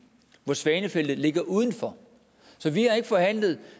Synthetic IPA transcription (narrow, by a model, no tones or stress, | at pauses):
ʋɒsʋɛːnəfel̰d̥ð̩ˠle̝ɡ̥ɐʔuːð̞ˠn̩fɒ̽ | sɒ̽ʋihɑ̈e̝ɡ̥əfɒ̽hæn̰lð̩ˠ